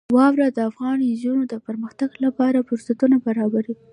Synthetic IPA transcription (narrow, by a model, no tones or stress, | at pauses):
wɑwɾad̪əafɣɑnizunod̪əpəɾməxt̪aɡlapɑɾapʊɾsat̪unabaɾɑbaɾi